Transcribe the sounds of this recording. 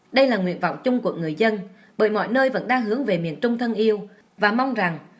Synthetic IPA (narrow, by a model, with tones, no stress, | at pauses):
ɗə˧jlaː˨˩ŋḭ˧˨ənvɔ̰˧˨wŋ͡mt͡ɕʊ˧ŋ͡mku˨˩ək̚ŋɨ˨˩əjzə˧n | ɓəː˧˩jmɔ̰˧˨jnəː˧jvə̰˧˥nɗaː˧ŋɦɨ˨˦əŋve˨˩mḭ˧˨ənt͡ɕʊ˧ŋ͡mt̪ʰə˧nʔi˧əw | vaː˨˩ma˧wŋ͡mza˨˩ŋ